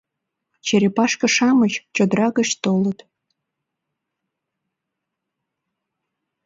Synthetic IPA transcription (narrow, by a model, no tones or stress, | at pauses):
t͡ɕeɾepɑʃkə̆ʃɑmət͡ɕt͡ɕod̪rɑɣəɕt̪olət̪